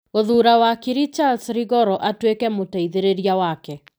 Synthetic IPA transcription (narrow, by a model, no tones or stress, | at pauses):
oðuɾawakiɾit͡ʃaldsɾiɣɔɾɔʔatwekɛmotaiðeɾeɾiawakɛ